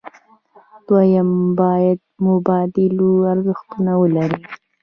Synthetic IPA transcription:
d̪̥wajambɑjad̪̚mʊbɑd̪ɪloaɾzaxt̪unawəlaɾi

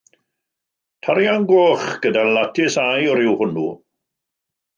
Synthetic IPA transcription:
tʰaɾjanɡoːχɡ̥ədalatʰɪsajɔɾɪwhʊnṵː

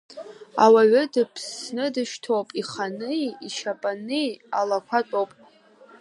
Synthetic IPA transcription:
a̰waɥʊdɨpʰsnɨdɨʃtʰowpʼiχanɨjiʃapʼanɨjalakʷʰat͡sʷʼowpʼ

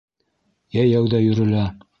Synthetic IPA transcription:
jæjæwðæjɵ̆ɾɘ̆læ

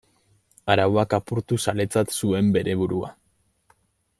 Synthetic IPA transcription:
aɾawakapuɾt̪usale̞t͡sat̪sue̞mbe̞ɾe̞βuɾua̰

